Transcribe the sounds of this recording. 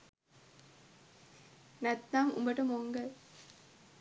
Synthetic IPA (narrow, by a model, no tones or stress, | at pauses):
næt̪ːamṵmbəʈəmoŋɡə